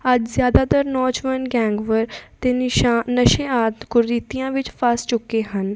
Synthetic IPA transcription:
əd͡ʒzjaːd̪aːt̪əɾnɔːd͡ʒʋənɡɛːŋɡʋəɾt̪eːnəʃẽːaːt̪kʊɾːiːt̪ijãːʋɪt͡ʃpʰast͡ʃʊkːeːɦən

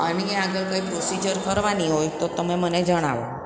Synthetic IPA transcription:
ənieaɡəɭkaipɾosid͡ʒəɾkəɾʋaniɦojt̪ot̪əmeməned͡ʒəɽ̃aʋo̰

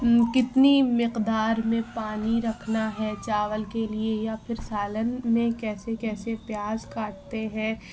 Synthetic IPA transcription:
kɪt̪nimɪqd̪aːɾmẽpaːniɾɐkʰnaɦɛt͡ʃaːʋəlkeliejapʰɪɾsaːlənmẽkɛːsekɛːsepjaːzkaːʈ̚t̪eɦɛ̃ː

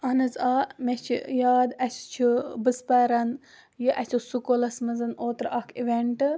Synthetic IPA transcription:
ɐnɨzaːmet͡ʃʰḭjaːd̪ɐt͡ʃʰt͡ʃʰibɨspɐːɾɐn | jiʔɐt͡ʃʰisukolɐsmɐzɐnoːt̪ɾɐkʰiʋʲeɳʈɨ

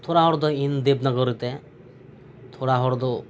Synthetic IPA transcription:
t̪ʰoɾaɦɔɾd̪ɔind̪ebnaɡɔɾit̪ɛ | t̪ʰoɽaɦɔɽd̪ɔ

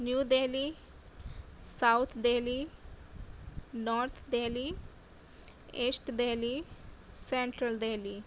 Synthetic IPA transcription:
njuːdeːliː | saʊt̪ʰd̪eːliː | nɔːɾt̪ʰd̪eːliː | eːsʈd̪eːliːsɛ̃ːɳʈɾəlɖ̪eːliː

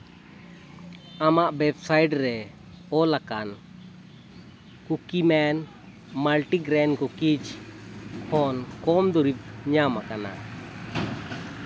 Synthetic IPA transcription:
amaʔbɛbsajɖɾɛ | ɔlakan | kukimɛn | malʈiɡɾɛnkɔkid͡ʒ | hɔnkɔmd̪uɾip̚ɲamakana̰

